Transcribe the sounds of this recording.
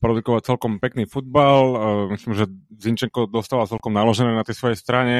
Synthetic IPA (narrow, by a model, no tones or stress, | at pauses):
pɾɔd̪ukɔʋat͡sɛlkɔmpɛkniːfud̪̚balmisliːmʒɛziɲt͡ʃɛŋkɔd̪ɔst̪aːʋat͡sɛlkɔmnalɔʒɛnɛːnat̪ɛjsʋɔjɛst̪ɾaɲɛ